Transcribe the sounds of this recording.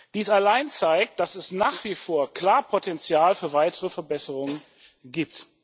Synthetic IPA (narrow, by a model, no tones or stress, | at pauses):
d̥iːsalaɪnt͡saɪk̚t̚d̥asɛsnaːχv̥ifoːɐkl̥aːɐpʰotɛnt͡sjaːlfyːɐvaɪtʰəʁəfɛɐbɛsəʁʊŋən | ɡiːp̚t